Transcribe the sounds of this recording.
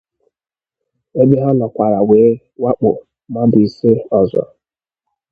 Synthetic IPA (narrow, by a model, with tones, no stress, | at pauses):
e˦dɪ˦ɦa˦nɔ˨kʷa˨ɾa˨weː˨˦ | wa˦k͡pʊ˨ | ma˦bi˨i˨sɪ˦ɔ˨zɔ̰˨